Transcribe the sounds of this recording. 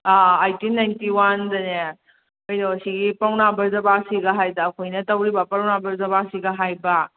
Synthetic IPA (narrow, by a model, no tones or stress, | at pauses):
aajtinajntiwandɐne | ojdoɐsiɡipɐwnabɐɾzɐbasiɡɐɦajdɐːkʰojnɐtɐwɾibɐpɐɾwnabɐɾzɐbasiɡɐɦajbɐ